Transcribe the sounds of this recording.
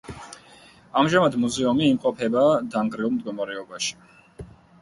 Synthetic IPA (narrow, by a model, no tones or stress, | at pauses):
amʒamad̪muzɛumiːmqʼɔpʰɛbad̪aŋɡɾɛulˠmd̪̚ɡɔmaɾɛɔbaʃi̥